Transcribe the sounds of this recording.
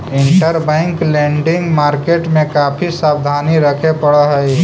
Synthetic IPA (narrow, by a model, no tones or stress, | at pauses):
ɪɳʈəɾbɛ̃ŋklẽɳɖɪ̃ŋɡmaːɾkeʈmẽkaːpʰisaːb̚d̪ʱaːniɾəkʰepəɽəɦəj